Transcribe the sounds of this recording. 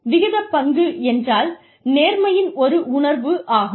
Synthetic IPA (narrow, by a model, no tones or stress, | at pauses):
ʋɪɣɪðɐpːɐŋɡɯɛndraːl | neːɾmɐjɪnɔɾɯʊɳɐɾʋɯʔaːɣɯ